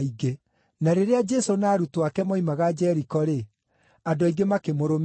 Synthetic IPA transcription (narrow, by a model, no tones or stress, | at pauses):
iɡe | naɾeɾead͡ʒɛsonaːɾutoakɛmɔimaɣad͡ʒɛɾikɔɾe | adoaiɡemakemoɾom